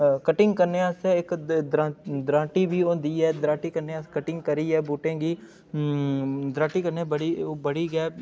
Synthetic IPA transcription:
kɐʈɪ̃ŋɡkɐɾneaseɪkd̪ɾãːd̪ɾãːʈibʱiod̪iːɛːd̪ɾãːʈikɐɾneaskɐʈɪ̃ŋɡkɐɾiɛːbuːʈẽːɡiː | d̪ɾãːʈikɐɾnebəɽibɐɽiɡɛː

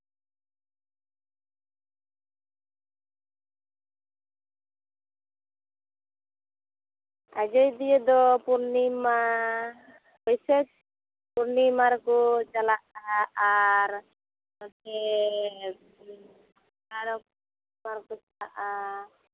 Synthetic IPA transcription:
ad͡ʒɔjd̪ijɛd̪ɔpuɾnima | ɦɔjsɛt͡ʃ | puɾnimaɾkɔt͡ʃalaʔaaɾ | ɔkɛ | aɾɔ | maɾkɔt͡ʃalaʔa

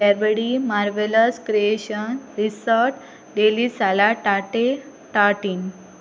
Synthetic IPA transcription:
aɾʋəɽimaɾʋeləskɾieɕənɾisəɾʈ | ɖelisalaʈaʈe | ʈaʈin

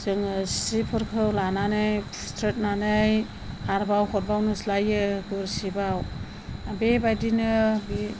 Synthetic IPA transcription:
zɯŋssipʰɯɾkʰɯwlananɯj | stʰɾet̚nanɯj | haɾbawhʰɔt̚bawnɯslajɯɡuɾsibaw | abebajdinɯbi

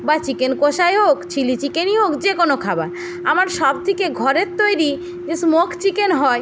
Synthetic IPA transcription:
bat͡ɕikenkoʃaeɦokt͡ɕʰilit͡ɕikeniɦokd͡ʑekonokʰabaɾ | a̰maɾʃɔb̚t̪ʰikeɡʱɔɾeɾt̪ːojɾi | d͡ʑesmokʰt͡ɕikenɦɔe

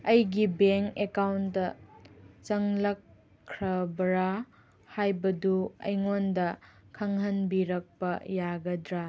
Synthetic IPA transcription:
ɐjɡibeŋkekawndɐ | t͡ʃɐŋlɐkʰː | ɾɐbɐɾa | hajbɐduɐ̰jŋondɐkʰɐŋɦɐnbiɾɐk̚pɐjaɡɐdɾa

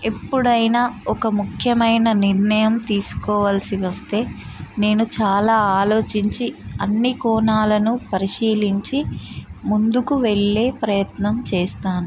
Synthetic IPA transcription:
e̞pːuɽɐjnaːɔkɐmukʰjɐmɐjnɐniɾnɐjɐmt̪iːsu̥kɔːʋaːlsiʋɐst̪e̞ːne̞ːnut͡ʃaːlaːaːlo̞ːt͡ʃiɲt͡ʃiɐnːikɔːnaːlɐnupɐɾiʃiːliɲt͡ʃimund̪ukuʋe̞ɭːe̞ːpɾɐjɐt̪nɐmt͡ʃeːst̪aːnu

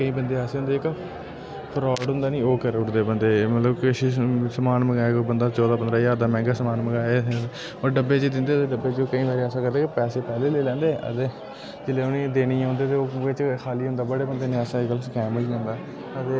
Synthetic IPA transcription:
kəĩːbənd̪eːaːseːʊ̃nd̪eːɪk | pʰɾaːɖɦʊ̃nd̪aːnĩːoːkəɾʊʈd̪eːbənd̪eːmət̪ləbkəsiːsəmaːnməɡaːeːobənd̪aːt͡ʃɔːd̪aːpənd̪ɾaːjaːɾd̪aːmɛ̃ːŋɡaːsəmaːnməɡaːe | oːɾɖəbːeːd͡ʒeːd̪ɪnd̪eːt̪eːɖəbːeːt͡ʃoːkəĩːʋaːɾiɛːsãːkəɾd̪eːkepɛːseːpɛːleːleːlɛ̃ːnd̪eːʔə̰t̪eː | d͡ʒɪleːʊnẽːd̪eːniːõːnd̪eːt̪eːoːʋɪt͡ʃkʰaːliːɦʊ̃nd̪aːbəɽeːbənd̪eːnẽːəsãɪkəlkɛ̃ːməd͡ʒiːɦõːnd̪aː | ət̪eː

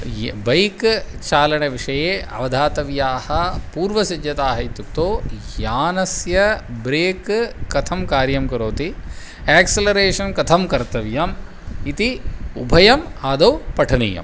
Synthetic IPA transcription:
bɐjkt͡ʃaːlɐɳeʋiʂɐjeːʔɐ̰ʋɐd̪ʱaːt̪ɐʋjaːhɐpuːɾʋɐsid͡ʒjɐt̪aːɦɐjit̪uk̚t̪oːjaːnɐsjɐbɾeːkːɐt̪ʰɐmkaːɾjɐmkɐɾoːt̪i | eːkselɐɾeːʂɐnkɐt̪ʰɐmkɐɾt̪ɐʋjam | it̪iubʱɐjɐmaːd̪ɐwpɐʈʰɐnḭːjɐ̰m

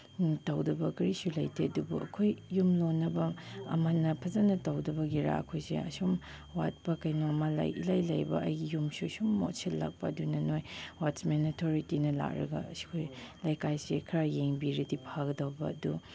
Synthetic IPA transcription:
tɐwdɐbɐkɐɾisulɐ̰jtʰeɐdubṵʔɐ̰kʰojːumlonːɐbɐɐ̰manɐpʰɐzanɐtɐwdɐbɐɡiɾa̰ɐ̰kʰojsḛɐ̰sum | wa̰t̚pɐkɐjnoɐmala̰jilajlɐjbɐ̰ʔɐ̰jɡijumsusumːo̰tsʰellːa̰k̚pɐɐdunɐnojwatsmenitʰoɾitinɐla̰k̚ɾɐ̰ɡɐ̰ɐsi̥kʰojlɐjkajsekʰɾajeŋbiɾɐdipʰaɡɐdɐwbɐ̰ɐdu

